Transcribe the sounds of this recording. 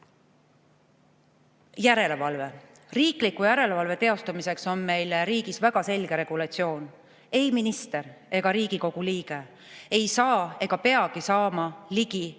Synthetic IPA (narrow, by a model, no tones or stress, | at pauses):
jæɾe̞le̞vɑlve̞ | riːklikːˑujæɾe̞levɑlve̞t̪e̞o̞st̪umise̞kso̞nme̞jleɾiːɡ̥isvæɡ̥ɑse̞lʲɡ̥e̞ɾe̞ɡ̥ulɑtsio̞ːn | e̞jminist̪e̞re̞ɡ̥ɑɾiːɡ̥iko̞ɡ̥uliːɡ̥e̞ | e̞jsɑːe̞ɡ̥ɑpe̞ɑɡ̥isɑːmɑliɡ̥i